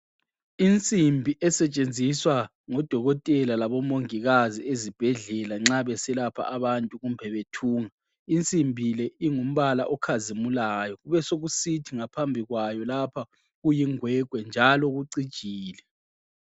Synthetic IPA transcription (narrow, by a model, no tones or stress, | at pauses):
int͡sʼimbʱiʔɛsɛt͡ʃʼend͡zʱiswa | ŋɔd̥ʱɔɣɔtʼɛlalaβɔmoŋiɣaziezib̥ʱɛɮɛlaŋ͡ǁaβɛsɛlapʰa̰ʔaβantʼuɣumbʱɛβetʰuːŋa | int͡sʼimbʱilɛiŋum̩βalaʔɔkʰazimulajɔɣuβɛsoɣusitʰiŋapʰambʱiɣwajɔlapʰa | ɣujiŋwɛɡ̥ʱwɛnd͡ʒʱalɔɣuǀi̥t͡ʃʼiːlɛ